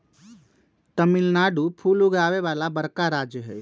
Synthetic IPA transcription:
t̪əmɪlnaːɖupʰuːluɡaːʋeʋaːlabəɾkaɾaːd͡ʒjəɦɛ̰ː

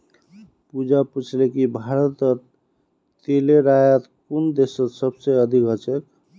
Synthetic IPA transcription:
pud͡ʒaput͡ʃʰlekibʱaɾət̪ə | t̪eleɾajət̪kund̪esət̪səbseəd̪ʱikɦət͡ʃek

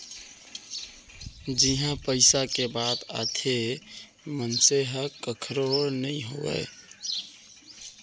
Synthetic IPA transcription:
d͡ʒiɦãpəɪsakebad̪a̰t̪ʰe | mənseɦəkəkʰɾoɾnəiɦo̰wɛ̰ɪ

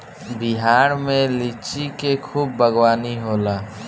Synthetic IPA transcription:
biɦaːɾmẽlit͡ʃikekʰuːbːʱəɡwaːniɦoːlaː

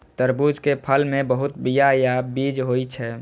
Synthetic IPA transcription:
t̪əɾbud͡ʒkepʰəlmẽbəɦʊt̪bijajabiːd͡ʒɦoit͡ʃʰɛ

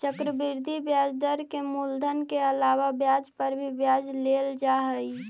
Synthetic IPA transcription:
t͡ʃəkɾəbiɾd̪ʱibjad͡ʒd̪əɾkemuld̪ʱənkeəlaːʋabjad͡ʒpəɾbʱibjaːd͡ʒleld͡ʒaɦəi

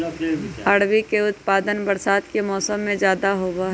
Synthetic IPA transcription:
ɐɽwikeʊt̪paːd̪ənbəɾsaːd̪kemɔːsəmːẽd͡ʒjaːd̪aɦoːbaɦ

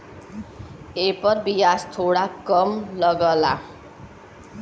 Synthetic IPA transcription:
epɔɾbiast̪ʰoɽakɔmlɔɡɔla

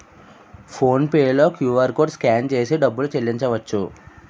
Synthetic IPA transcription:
pʰoːnpeːlo̞ːkjuːʋɐɾkoːɖskaːnt͡ʃe̞ːsiɖɐbːulut͡ʃelːiɲt͡ʃɐʋɐt͡ʃːu

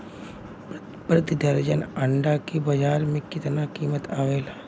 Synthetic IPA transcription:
pɾət̪ɪd̪ʱəɾd͡ʒənɐɳɖakibɐd͡ʒaːɾmẽkɪt̪nakiːmət̪aːʋeːlaː

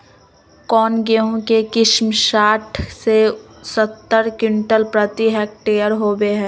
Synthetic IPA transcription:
kɔːnɡeɦõkekɪʃmʃaːʈʰse | sət̪ːəɾkɪɳʈəlpɾət̪iɦɛːk̚ʈeːjəɾɦoːbeɦɛ̃ː

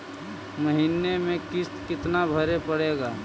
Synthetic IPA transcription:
məɦinemẽkɪst̪kɪt̪nabʱəɾepəɽeːɡaː

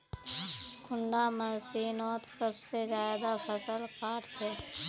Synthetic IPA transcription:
kʰʊɳɖaməɾsiːnoːt̪səbsezjaːd̪apʰəsəlkaːɾt͡ʃʰɛ

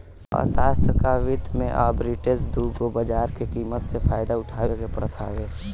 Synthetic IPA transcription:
ɔ̰ːɾsaːst̪ʰəkaʋɪt̪mḛ̃ʔaːbɾɪʈed͡ʒd̪uːkobəd͡ʒaːɾkekiːmət̪sefʰaːjd̪aʊʈʰaːʋekepɾət̪ʰa̰ːʋeː

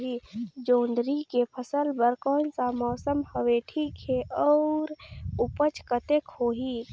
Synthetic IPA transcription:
ɦiːd͡ʒõːnd̪ɾikepʰəsəlbəɾkɔːnsamɔːsəmhəʋeʈʰiːkɦeʔɔːɾʊpət͡ʃkət̪ekhoːɦiː

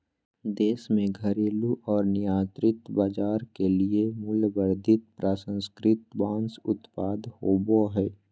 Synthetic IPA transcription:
d̪eːsmẽɡʱəɾeːluʔɔːɾnɪjãːt̪ɾɪt̪baːd͡ʒaːɾkeliemʊljbəɾd̪ʱɪt̪̚pɾaːsə̃nskɾɪt̪bãːnsʊt̪paːd̪hoːboɦɛː

